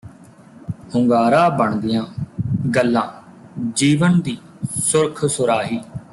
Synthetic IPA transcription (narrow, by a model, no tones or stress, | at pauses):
hʊŋɡaːɾaːbəɳd̪ɪjãːɡəlːãː | d͡ʒiːʋənd̪iː | sʊɾkʰsʊɾaːɦiː